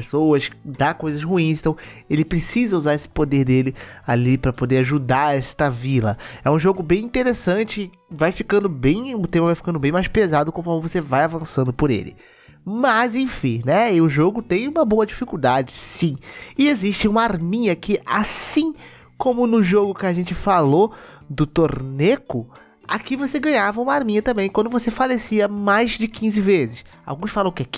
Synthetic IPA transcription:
esowɐsd̪akojzɐshuĩst̪ɐ̃w̃elɪpɾesizɐuzaɾesɪ̥pod̪eɾd̪elɪalipɾɐpod̪eaʒud̪aɛst̪ɐvilɐ̰ɛũʒoɡʊbẽj̃ĩnt̪eɾesɐ̃t͡ʃɪ | vajfikɐ̃nd̪ʊbẽj̃ʊt̪ẽmɐvajfi̥kɐ̃nd̪ʊbẽj̃majʃpezad̪ʊkõfɔɾmɪvosevajavɐ̃sɐ̃nd̪ʊpʊɾḛlɪ̰ | mɐzẽj̃fĩnɛʊʒoɡʊt̪ẽj̃ũmɐboɐd͡ʒifikuwd̪ad͡ʒɪsĩɪeziʃt͡ʃɪũmɐaɾmĩɲɐkɪasĩ | kõmʊnʊʒoɡʊkɪaʒẽnt͡ʃɪfalo | d̪ʊt̪oɾnekʊ | akivoseɡɐ̃ɲavɐũmɐaɾmĩɲɐt̪ɐ̃mbẽj̃kwɐ̃nd̪ʊvosefalesiɐmajzd͡ʒɪkĩzɪvezɪs | a̰wɡũsfalɐ̃kɪak

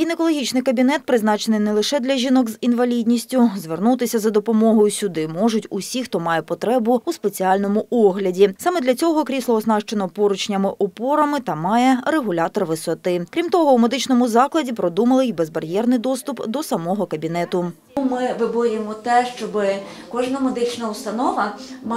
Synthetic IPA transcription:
ɡʲinekɔlˠɔɦʲit͡ʃnɪjkɐbʲinɛt̪̚pɾɪznɑt͡ʃenɪjnɛlˠɪʃɛd̪lʲɐʒʲinɔɡzinʋɐlʲidʲnʲisʲtʲʊzʋernut̪ɪsʲɐzɐd̪ɔpɔmɔɦɔjʊsʲʊd̪ɪmɔʒʊtʲʊsʲixt̪ɔmɑjɛpɔt̪ɾɛbʊuspe̞t͡sʲiɑlʲnɔmʊʔɔɦlʲɐdʲisɑmɛd̪lʲɐt͡sʲɔɦɔkɾʲislˠɔɔznɑʃt͡ʃenɔpɔɾʊt͡ʃnʲɐmɪʔɔpɔɾɐmɪt̪ɐmɑjɛɾeɦʊlʲaɑt̪ɔrʋɪsɔt̪ɪkɾʲimt̪ɔɦɔumed̪ɪt͡ʃnɔmʊzɑklˠɐdʲipɾɔd̪umɐlˠɪjbezbɐrjɛrnɪjd̪ɔst̪ʊpd̪ɔsɐmɔɦɔkɐbʲinɛt̪ʊ | mɪʋɪbɔɾʲɪmɔt̪ɛʃt͡ʃɔbɪ | kɔʒnɐmed̪ɪt͡ʃnɐʊst̪ɐnɔʋɐm

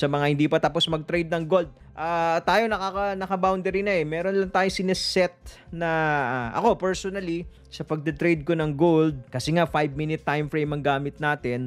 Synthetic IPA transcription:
sɐmɐŋahɪnd̪iːpɐt̪ɐpo̞smɐɡ̚t̪ɾɛjd̪̚nɐŋɡold̪̚ | ʔaːt̪aːjo̞nɐkakɐnɐkɐbawnd̪ɛɾinɐɛmɛːɾonlɐŋt̪aːjoŋsɪnɛsɛt̪̚nɐʔɐ̰ko̞pɛɹsonɐli | sɐpɐɡ̚d̪ɛt̪ɾɛjd̪̚konɐŋɡold̪̚kɐsɛŋafajb̚minɪt̪ːajmfɹejmɐŋɡaːmɪt̪̚naːt̪ɪn

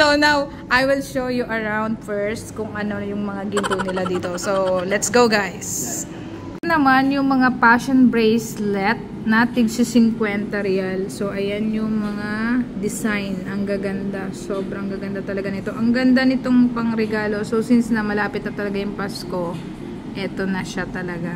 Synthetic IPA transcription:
sownaw | ʔajwɪlʃowjuʔɐɹawnd̪̚fɛɹst̪̚kʊŋʔɐno̞jʊŋmɐŋaɡɪnp̪unɪlad̪iːt̪o̞sowlɛt̪sɡowɡajs | nɐmanjʊŋmɐŋapaʃonbɹejslɛt̪̚ | nɐt̪ɪɡsɪsɪŋkwɛnt̪ɐɾɛalso̞ʔɐjanjʊŋmɐŋad̪ɪsajnʔɐŋɡɐɡɐnd̪aso̞ːbɾɐŋɡɐɡɐnd̪at̪ɐlɐɡanɪt̪o̞ʔɐŋɡɐnd̪anɪt̪o̞ŋpɐŋɾɛɡaːlo̞sowsɪnsnɐmɐlaːpɪt̪̚nɐt̪ɐlɐɡajʊŋpasko̞ | ʔɛːt̪o̞nɐʃat̪ɐlɐɡa

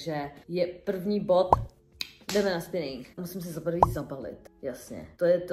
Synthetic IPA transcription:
ʒɛjɛpr̩vɲiːbo̞t̪ | dɛmɛnaspɪnɪŋkmusɪms̬ɛzapr̩vizabalɪ̰t̪jasɲɛ̰t̪ojɛt̪

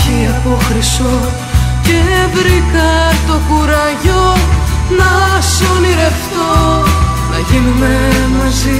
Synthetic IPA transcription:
iɐpoxɾiso | ce̞vɾikɐt̪o̞kuɾɐʝonɐsoniɾe̞ft̪o | nɐʝinumemɐzi

